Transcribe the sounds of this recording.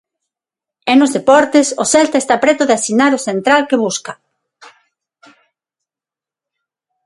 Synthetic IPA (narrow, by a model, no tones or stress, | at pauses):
ɛnʊzðepɔɾt̪esʊsɛlt̪aest̪apɾɛt̪ʊðeasinaɾosent̪ɾalkeβuska